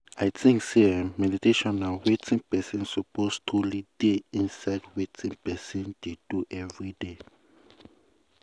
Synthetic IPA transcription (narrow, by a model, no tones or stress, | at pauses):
ajtʰĩŋksemɛditeʃɔ̃nawetʰĩŋpɛsɛ̃nsɔpostʰulideĩnsaɪdwetʰĩŋpɛsɛ̃nd̥ed̥uʔɛvɹide